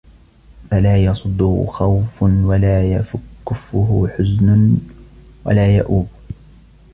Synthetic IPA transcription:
falaːjɑsˤʊd̪ˤːʊ̰xawfʊnwalaːjafʊkːʊfːʊɦʊħʊznʊ | wa̰laːja̰ʔuːb

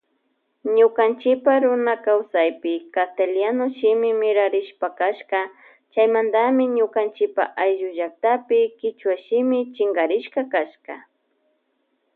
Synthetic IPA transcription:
ɲʊkant͡ʃɪpaɾʊnakawsajpɪkat̪aljanʊʃɪmɪmɪɾaɾɪʃpakaʃka | t͡ʃajmand̪amɪɲʊkant͡ʃɪpa̰ʔajʒʊʒak̚t̪apɪkɪt͡ʃwaʃɪmɪt͡ʃɪŋɡaɾɪʃkakaʃka̰

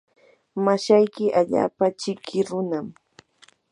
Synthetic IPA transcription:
maʃajkɪʔaʎa̰ːpat͡ʃɪkʰɪɾʊnam

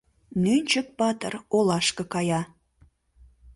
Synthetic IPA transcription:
nynʲt͡ɕək̚pɑt̪ə̰rolɑʃkə̆kɑjɑ

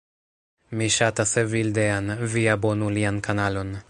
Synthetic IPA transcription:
miʃat̪asevild̪eanviabonuliankanalon

